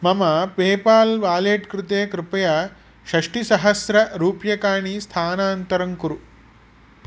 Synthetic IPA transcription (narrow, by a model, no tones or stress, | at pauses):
mɐmɐpeːpaːlʋaːleːʈkɾɪt̪eːkɾɪpɐjaː | ʃɐʂʈisɐɦɐsɾɐɾuːpjɐkaːɳiːst̪ʰaːnaːnt̪ɐɾɐŋkuɾu